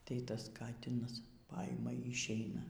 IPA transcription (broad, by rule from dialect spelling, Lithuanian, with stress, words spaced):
tɐɪ ˈtɐs ˈkɑːtʲɪnɐs ˈpɐɪmɐ iː ɪʃʲˈɛɪnɐ